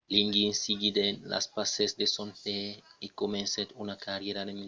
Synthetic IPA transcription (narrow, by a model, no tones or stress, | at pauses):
liŋɡinsiɡid̪enla̰spasesd̪esonteikomẽnset̪unakaɾjeɾad̪emi